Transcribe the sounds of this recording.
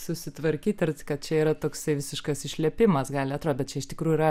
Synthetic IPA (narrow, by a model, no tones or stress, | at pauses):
sʊsʲɪt̪ʋɐɾʲkʲiːt̪ʲɐɾʲt͡s̪ʲɪ̥kɐt̪̚t͡ʃʲɛiːɾɐt̪oːksɐɪʋʲɪsʲɪʃkɐsɪʃʲlʲɛpʲɪmɐsɡɑːlʲɪɐt̪ɾoːd̪dɛt̪t͡ʃʲɛɪʃt̪ʲɪkɾuːjuɪɾɐ